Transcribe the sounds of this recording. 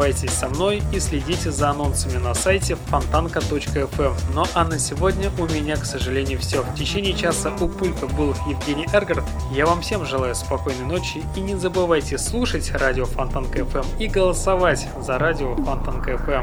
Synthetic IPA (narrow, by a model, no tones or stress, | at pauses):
ajtʲɪsʲsɐmno̞jisʲlʲɪdʲitʲɪzəɐno̞nsəmʲɪnɐsajtʲɪfɐnt̪ankət̪o̞t͡ɕkəɛfɛmnoʔɐnəsʲɪvo̞dʲnʲəʔʊmʲɪnʲaksəʐɨlʲenʲɪjʊfsʲoftʲɪt͡ɕenʲɪjət͡ɕasəʔʊpulʲkəbɨlˠjɪvɡʲenʲɪjʔɛrɡərt̪ | javamfsʲe̞mʐɨlˠajʊspɐko̞jnəjno̞t͡ɕjɪinʲɪzəbɨvajtʲɪslˠuʂətʲradʲɪofɐnt̪ankəɛfɛmiɡəlˠəsɐvatʲ | zɐɾadʲɪofɐnt̪ankəɛfɛm